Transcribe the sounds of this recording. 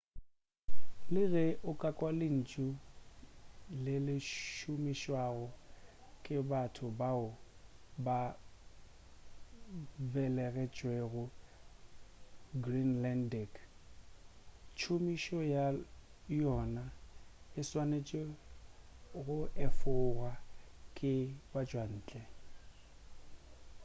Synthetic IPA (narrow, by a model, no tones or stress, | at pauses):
lɪɣɛʔʊkʼakʼwalɪn̩t͡ʃʼʊ | lɪlɪʃʊmiʃwaɣʊkʼɪbatʰʊbaʊba | bɛlɛɣɛt͡ʃʼweɣʊ | ɡrinlɛndɛk | t͡ʃʰomiʃɔjajɔnaɪswanet͡ʃʼe | ɣʊʔɛfʊɣwakʼɪbad͡ʒʼwan̩ːt͡ɬʼɛ